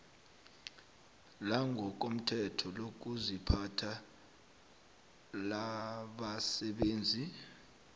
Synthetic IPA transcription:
laŋɡʱɔk̬om̩tʰɛtʰɔlok̬uzipʰatʰa | laɓasɛɓeːnd͡zʱi

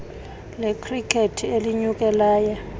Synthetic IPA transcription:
lekʰrikʰetʰieliɲuk̬ʼɛlaːja

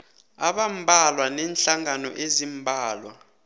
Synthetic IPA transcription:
a̰ɓambʱalwanɛːnɬaŋanɔ̰ʔezimbʱaːlwa̰

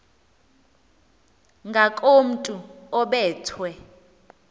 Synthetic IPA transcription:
ŋɡʱakʼom̩tʼuɔɓɛːtʰwɛ

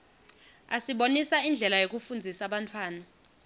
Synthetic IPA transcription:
asiɓonisaind͡ɮʱɛlajok̬ufund͡zʱisaɓantʰwaːna

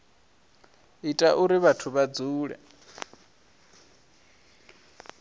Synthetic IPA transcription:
itʼaʔuɾiβatʰuβad͡zuːɺɛ̰

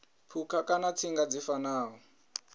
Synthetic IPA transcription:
pʰukʰakʼanat͡sʰiŋɡad͡zifanaːɦɔ

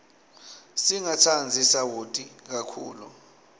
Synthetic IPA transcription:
siŋatʰand͡zʱisawotʼik̬akʰuːlu

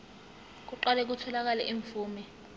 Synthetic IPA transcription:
k̬uǃalɛk̬utʰɔlak̬alɛʔiɱfuːmi

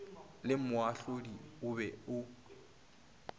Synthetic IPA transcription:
lɪmʊaɬodiʊbɛʊ

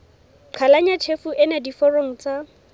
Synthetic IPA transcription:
ǃʰalaɲatʰefuʔɪnadifɔroŋ̩t͡sʼa

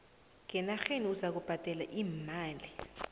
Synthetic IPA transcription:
ŋɛnaxeniuzak̬ub̥ʱad̥ʱʼɛlaʔiːmaːli

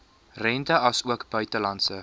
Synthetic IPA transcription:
rɛntəɐsuəkbœɥtəlɐnsə

